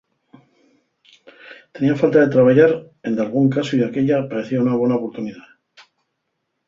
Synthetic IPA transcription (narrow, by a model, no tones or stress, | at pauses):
t̪e̞niafalt̪aðe̞t̪ɾaβ̞aʝaɾ | e̞nd̪alɣ̞uŋkasoiðake̞ʎapaɾe̞θiaunaβ̞we̞naopo̞ɾt̪uniða